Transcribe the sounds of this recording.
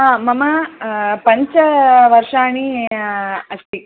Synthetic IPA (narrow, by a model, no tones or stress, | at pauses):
ɦaːmɐmɐpɐɲt͡ʃɐʋɐɾʂaːɳi | ɐʂʈ̪i